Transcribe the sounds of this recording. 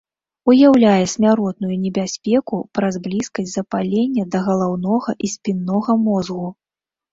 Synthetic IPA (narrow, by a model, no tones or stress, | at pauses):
ujawlʲajɛsʲmʲaɾɔt̪̚nujunʲɛbʲasʲpʲɛkupɾɐzblʲiskɐsʲtʲzɐpalʲenʲːɐd̪ɐɣɐlˠawnɔɣɐʔisʲpʲinːɔɣɐmɔzɣu